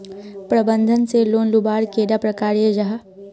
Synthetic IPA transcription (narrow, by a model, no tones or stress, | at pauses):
pɾəbə̃nd̪ʱənseloːnlubaːɾkeːɖapɾɐkaːɾijəd͡ʒɐɦa